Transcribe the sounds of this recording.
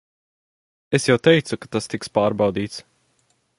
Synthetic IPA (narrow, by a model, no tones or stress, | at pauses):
esjawt̪ɛjt̪sukḁt̪ast̪ikspaːɾbawd̪iːt̪s